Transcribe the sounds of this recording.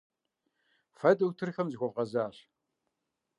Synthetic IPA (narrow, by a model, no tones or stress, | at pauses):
fɐduwtʰɨrxɐmzɨxʷɔvqɐzaːɬ